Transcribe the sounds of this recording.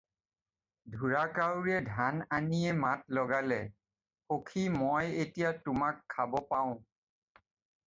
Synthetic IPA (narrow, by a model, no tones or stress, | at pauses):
dʱuɹakawɹɛdʱananiɛmatlɔɡalɛ | xokʰimojetijatʊmakʰːabɔpaʊ̃